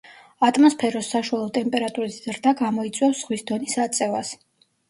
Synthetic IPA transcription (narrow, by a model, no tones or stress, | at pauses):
at̪ʼmɔspʰɛɾɔsːaʃwalˠɔt̪ʼɛmpʼɛɾat̪ʼuɾiszɾd̪aɡamɔit̪sʼwɛfsz̥ʁwisd̪ɔnisat̪sʼɛvas